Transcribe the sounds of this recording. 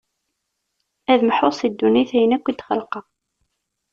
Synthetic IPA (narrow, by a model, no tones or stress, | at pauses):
æðməħosˤid̪ːuniθæjənækʷːid̪χə̰lqɑ